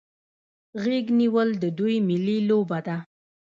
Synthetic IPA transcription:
ɣeɡniwəld̪əd̪ujmɪlilobad̪a

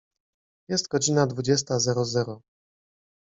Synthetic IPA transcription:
jɛst̪ɡɔd͡ʑinad̪vud͡ʑɛst̪azɛɾɔzɛɾɔ

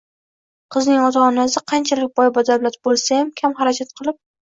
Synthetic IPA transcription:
qʰɨznɪŋɒt̪ʰaːnasɪqʰɑnt͡ʃʰalɪk̚ʲbɒjbɒd̪awlat̪̚bolˠsajamkʲʰamχaɾakʰat̪̚qʰɨlˠɪp̚

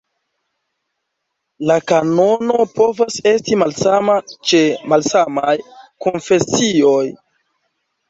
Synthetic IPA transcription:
lakano̞no̞po̞vase̞stimalsamat͡ʃe̞malsamajkonfe̞sio̞j

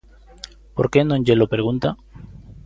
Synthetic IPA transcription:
po̞ɾkenõɲd͡ʒelopeɾɣunt̪a

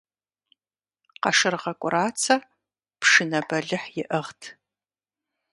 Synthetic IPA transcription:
qɐʂɨrʁɐkʷʼʊraːt͡sʰɐ | pʂɨnɐbɐɮɨħjɪʔəʁtʰ

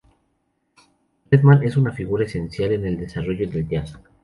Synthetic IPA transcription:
bɾeðmãne̞sunafiɣuɾae̞se̞nsjale̞ne̞ld̪e̞saro̞ʝo̞ðe̞ld̪jas

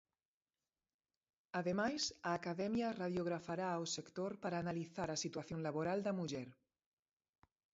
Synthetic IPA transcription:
aðemajsaːkaðɛmjaraðjoɣ̞ɾafaɾaosekt̪oɾpaɾaːnaliθaɾasit̪waθjonlaβoɾald̪amuʒɛɾ

